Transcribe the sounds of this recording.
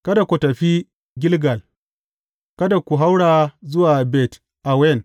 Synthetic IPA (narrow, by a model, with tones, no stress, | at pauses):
kɐ˦da˨kʷo˨tɐ˨ɸi˦ | ɡʲɪ˦lɡa˨l | kɐ˦da˨kʷu˨ɦa˦wɽaː˨zʊ˦waː˨bɛ˨t | ʔa˨wɛ˦˨n